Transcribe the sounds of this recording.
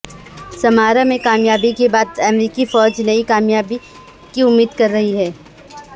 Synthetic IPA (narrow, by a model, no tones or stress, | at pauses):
sɐmaːɾamẽkaːmjaːbikebaːd̪ɛmɾiːkifɔːd͡ʒnɐikaːmjaːbi | kiʊmːiːd̪kɐɾːɐɦiɦɛː